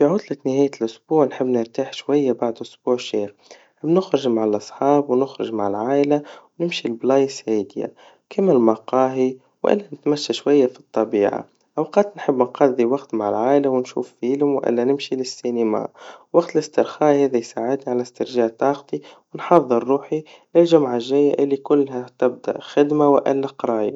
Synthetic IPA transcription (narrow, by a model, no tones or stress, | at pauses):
fiʕʊd̪lat̪nɪhaːjːlʔʊsb̥uːʕnħɪbːnɪɾt̪aːħʃwajːabaʕd̪ʔʊsb̥uːʕʃeːɾ | nħɪbːnʊxɾʊʒmaʕalʔɑsˤħɑːbwnʊxɾɪ̰ʒmaʕɪlʕaːʔɪlawnɪmʃilblɑjsheːd̪ja̰ | kʰɪmːɪlmɑqɑːɦi | wʔɪ̰lːanɪt̪maʃːaʃwajːafi̥t̪ˤːɑbiːʕa̰ | ʔɑwqɑːt̪nħɪbːnqɑðˤiwɑqt̪maʕɪlʕaːʔlawɪnʃṵːffiːlɪmwʔɪ̰lːænɪmʃilɪsːinɪma̰wɑɡt̪lɪst̪ɪɾxɑːʔheːðajsaːʕɪd̪niʕalast̪ɪɾʒaːʕt̪ˤɑːqt̪ˤiwɪnħɑðˤːɨɾːuːħi | lɪlʒʊmʕaʒæjːaʔɪlːikʊlːɦæt̪ɪb̚d̪a̰ʔxɪd̪mawʔɪlːaqɾˤɑːja